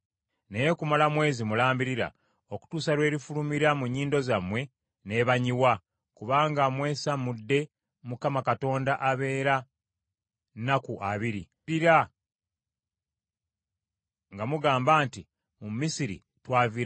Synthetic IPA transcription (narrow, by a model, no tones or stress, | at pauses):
nejekumalamwe̞ːzimulaːmbiɾiɾa̰ | o̞ku̥tuːsaɾwe̞ːɾifulumiɾamuɲːiːndo̞zamwe̞ | ne̞βaɲiwa | kuβaːŋɡamwe̞ːsamudːe̞ | mukamakato̞ːndaʔaβe̞ːɾa | nakuʔaβiɾi | iɾa | ŋɡamuɡaːmbaːnti | mumːisiɾḭ | twaːviɾa